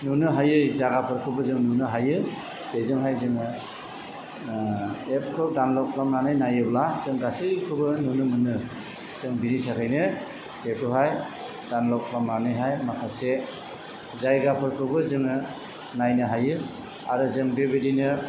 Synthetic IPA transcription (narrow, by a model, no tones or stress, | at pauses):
nunɯɦajɯjzaɡapʰɯɾkʰɯbɯzɯŋnunɯɦajɯ | dezɯŋɦajzɯŋɯ | ep̚kʰɯdanlɔk̚pʰlamnanɯjnajɯblazɯŋɡasɯjkʰɯbɯnunɯmɯnɯ | z̥ɯŋbinitʰakʰajnɯ | kekʰɯɦaj | d̥anlɔk̚pʰlamnanɯjɦajmakʰase | zajɡapʰɯɾkʰɯbɯzɯŋɯ | najnɯɦajɯ | aɾɯzɯŋbebidinɯ